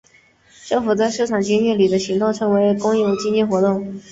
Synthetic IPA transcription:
ʈ͡ʂɤ˥˩ŋfu˨˩t͡sa˥˧ɪʂ̩˥˩ʈ͡ʂʰɑ˨˩ŋt͡ɕi˥nɛ˥˩li˨˩d̪ə˦ɕi˧˥ŋt̪o˥˩ŋʈ͡ʂʰɤ˧˥ŋwe˧˥ɪkʊ˥ŋjɛ˥˩t͡ɕi˥nt͡ɕɛ˥˩nxwɔ˧˥t̪ʊ˥˩ŋ

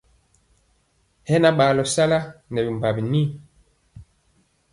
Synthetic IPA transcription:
hɛ˦na˦ɓa˨lɔ˨sa˦la˦nɛ˨bi˨m˨ba˨bi˨ni˦

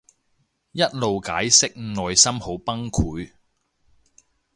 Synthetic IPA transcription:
jɐ˥t̚lo˨wka̰ː˨˥jsɪ˥k̚ŋ̩˨nɔː˨jsɐ˥mho˨˥wpɐ˥ŋkʰuː˨˥j

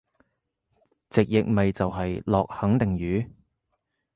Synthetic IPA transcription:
t͡sɪ˨k̚jɪ˨k̚mɐ˨jt͡sɐ˨wɦɐ˨jlɔː˨k̚hɐ˨˥ŋt̪ɪ˨˩ŋjyː˨˥

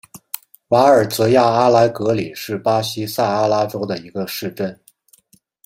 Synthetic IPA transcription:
wa˧˥ə˞˨˩t͡sɤ˧˥ja˥˩a˥la˧˥ɪkɤ˧˥li˨˩ʂɻ̩˥˩pa˥ɕi˥sa˥˩a˥la˥ʈ͡ʂo˥ʊd̪ə˨i˧˥ɡə˧ʂɻ̩˥˧ʈ͡ʂə˥˩n

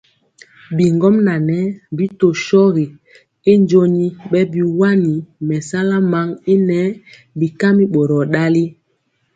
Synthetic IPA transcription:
bi˨ŋɡɔ˦mna˨nɛ˦bi˦to˨ʃɔ˦ɣi˨ | i˦nd͡ʒo˦ɲi˦ɓɛ˦bi˨wa˦ni˨mɛ˨sa˦la˦ma˨˦ŋi˦nɛ˦ | bi˨ka˦mi˦ɓo˨ɾɔ˨ɗa˦li˦

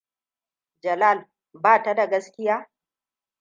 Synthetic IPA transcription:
d͡ʒɐ˨laː˦˨l | baː˦˨ta˦da˨ɡɐ˦skʲɪ˦jaː˦

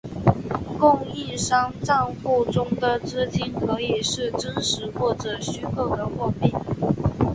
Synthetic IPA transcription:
kʊ˥˧ŋi˥˩ʂɑ˥ŋʈ͡ʂɑ˥˧ŋfu˥˩ʈ͡ʂʊ˥ŋd̪ə˨ʈ͡ʂɹ̩˥t͡ɕi˥nkʰɤ˧˥i˨˩ʂɻ̩˥˩ʈ͡ʂə˥nʂɻ̩˧˥xwɔ˥˩ʈ͡ʂɤ˨˩ɕy˥kʰɤ˥˩d̪ə˩˨xwɔ˥˧pi˥˩n

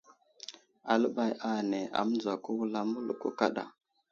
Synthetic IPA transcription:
a˨lə˦ɓa˨ja˦˨ne˨a̰˨m˦d͡za˨ku˦wu˦la˦mu˦lu˨kṵ˦ka˦ɗa̰˨

